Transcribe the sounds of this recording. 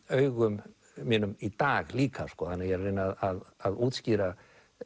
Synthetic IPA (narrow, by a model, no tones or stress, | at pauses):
œːɥɣʏm | mɛnʏmit̪aːɣliːkʰaskɔːθanːɪjɛrejnaðaðaðuːt̪sciːɾa